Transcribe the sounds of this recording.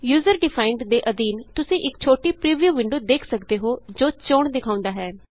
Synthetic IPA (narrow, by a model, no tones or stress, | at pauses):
juːzəɾɖɪpʰaːɪɳɖd̪eːʔəd̪iːnt̪ʊsĩːʔɪkt͡ʃʰoːʈiːpɾiːʋijuːʋɪɳɖoːd̪eːkʰsəkd̪eːɦoːd͡ʒoːt͡ʃoːɳd̪ɪkʰaːʊ̃nd̪aːɦɛː